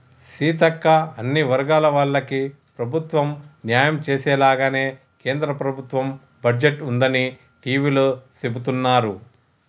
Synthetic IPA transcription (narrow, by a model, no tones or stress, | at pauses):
siːt̪ɐkːɐɐnːiʋɐɾɡaːlɐʋɐːɭːɐki | pɾɐbʱut̪ʋɐmnjaːjɐmt͡ʃeːsɛːlaːɡaːne̞ː | ke̞ːnd̪ɾɐpɾɐbʱut̪ʋɐm | bɐd͡ʒeʈːund̪ɐni | ʈiːʋiːloːsebut̪unːaːɾu